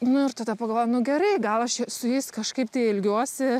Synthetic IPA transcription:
nʊɪɾt̪ɐd̪ɐpɐɡɐlˠʋoːjmnʊɡʲɛɾɐɪɡɐlˠɐʃsʊjɛɪskɐʃkɐɪp̚t̪ɐɪɪlʲɡʲuɔsʲɪ

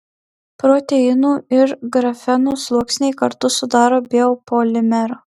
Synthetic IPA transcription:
pɾoːt̪ʲɛjɪnuːɪɾɡɾɐfʲɛnuːslˠuɔksʲnʲɛɪkɐɾt̪ʊsʊd̪ɑːɾoːbʲeopolʲɪmʲɛɾoː

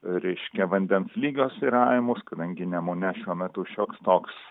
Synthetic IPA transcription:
ɾʲɛɪʃʲkʲɛʋɐnʲd̪ʲɛnslʲiːɡʲoːsiɾɐɪmʊskɐd̪ɐŋʲɡʲɪnʲɛmoːnʲɛʃʲuɔmʲɛt̪ʊʃʲoːkst̪oːks

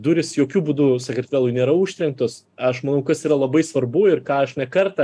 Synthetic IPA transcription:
d̪uːɾʲɪsjoːkʲuːbuːd̪usɐkɾʲɪtʲʋʲæːlˠʊɪnʲeːɾɐuːʃʲt̪ʲɾʲɛŋk̚t̪oːs | ɐʃmɐnɐʊkɐsiːɾɐlˠɐbɐɪsʋɐrbʊɪrkɑːɐʃnʲɛkɐɾt̪ɐ

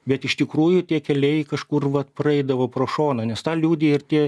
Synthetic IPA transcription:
bʲɛt̪ɪʃt̪ʲɪkɾuːjʊt̪ʲiɛkʲɛlʲɛɪkɐʃkʊrʋɐt̪prɐɛɪd̪ɐʋoːpɾoːʃoːnɐnʲɛst̪ɑːlʲuːd̪ʲeɪrt̪ʲiɛ

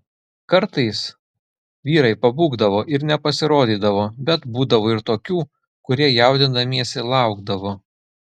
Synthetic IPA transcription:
kɐɾt̪ɐɪs | ʋʲiːɾɐɪpɐbuːɡd̪ɐʋoːʔɪɾnʲɛpɐsʲɪɾoːd̪ʲiːd̪ɐʋoːbʲɛt̪buːd̪ɐʋoːɪɾt̪oːkʲuː | kʊɾʲiɛjæˑʊd̪ʲɪnd̪ɐmʲiɛsʲɪlˠɑˑʊɡd̪ɐʋoː

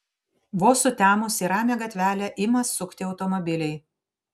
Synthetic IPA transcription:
ʋoːsʊt̪ʲæːmʊsʲiːɾɑːmʲɛɡɐt̪ʲʋʲæːlʲɛʔɪmɐsːʊkʲt̪ʲɪɒʊt̪ɔmɔbʲɪlʲɛɪ

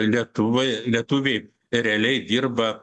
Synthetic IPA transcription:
lʲiɛt̪ʊʋɐjlʲiɛt̪ʊʋʲɛɪ | ɾʲɛɐlʲɛɪd̪ʲirbɐ

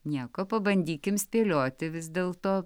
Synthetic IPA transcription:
nʲiɛkoːpɐbɐnʲd̪ʲiːkʲɪmsʲpʲeːlʲoːt̪ʲɪʋʲɪzd̪ʲeːlˠt̪oː

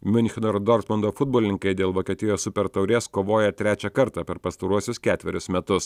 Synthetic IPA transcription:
mʲɪnʲxʲɪnoɾd̪oːɾt̪mɐnd̪oːfʊd̪̚boɔlʲɪnʲɪŋkɐɪd̪ʲeːlˠʋoːkʲiːt̪ʲɪjoːssʊpʲɛɾt̪ɐʊɾʲeːskoːʋoːjɛt̪ʲɾʲæːt͡ʃʲɛkɐɾt̪ɑpʲɛɾpɐst̪ɐɾuɔsʲʊskʲæːt̪ʲʋʲɛɾʲʊsmʲɛt̪ʊs

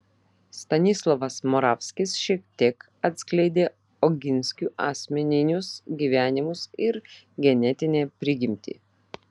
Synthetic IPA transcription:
st̪ɐnʲɪslˠɔʋɐsmɔɾɑːfʲsʲkʲɪsʃʲiɛk̚t̪ʲiɛk | ɐt̪ʲsʲklʲɛɪd̪ʲeː | ɔɡʲɪnʲsʲkʲuːʔɑːsʲmʲɛnʲɪnʲʊsɡʲiːʋʲæːnʲɪmʊsɪɾ | ɡʲɛnʲɛt̪ʲɪnʲeːpʲɾʲɪɡʲɪmʲt̪ʲḭː

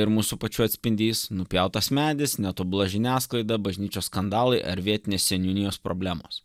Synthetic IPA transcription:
ɪɾmuːsʊpɐt͡ʃʲuːɐt̪ʲsʲpʲɪnʲd̪ʲiːsnʊpʲjɛʊt̪ɐsmʲæːd̪ʲɪsnʲɛt̪oːbʊlˠɐʒʲɪnʲæːsklˠɐɪd̪ɐbɐʒʲnʲiːt͡ʃʲoːsskɐnd̪ɑːlˠɐɪʔɐ̰ɾʋʲiɛt̪ʲɪnʲeːsʲsʲɛnʲuːnʲɪjoːspɾoːbʲlʲæːmo̰ːs

